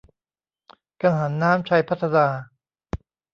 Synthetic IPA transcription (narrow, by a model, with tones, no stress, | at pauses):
ka˧ɦa˩˦nːaː˦˥mt͡ɕʰa˧jpʰa˥t̪ʰːa˧naː˧